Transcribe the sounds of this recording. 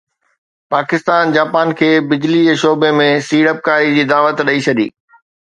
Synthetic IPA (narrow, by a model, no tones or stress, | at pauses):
paːkɪst̪aːnd͡ʑaːpaːnkʰeːbɪd͡ʑlid͡ʑeːʃoːbemẽsiːɽəp̚kaːɾid͡ʑiːd̪aːʋət̪ɗɐit͡ɕʰɐd̪ḭː